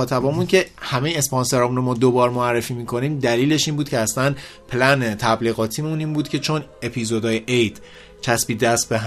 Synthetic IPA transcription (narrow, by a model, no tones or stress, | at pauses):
ɒːt̪ʰæbɒːmuncʰe̞hæmejeːspɒnse̞ɾɒːmunɾomɒːd̪obɒːɾmoærːefiːmiːkʰo̞niːmd̪æliːle̞ʃiːnbuːd̪̥̚cʰeæslænpʰlænet̪ʰæbliːɣɒːt̪ʰiːmuniːnbuːd̪cʰe̞t͡ʃʰo̞ne̞pʰizod̪ɒːjeʔejd̪̥ | cʰæsbiːd̪æst̪̚beɦ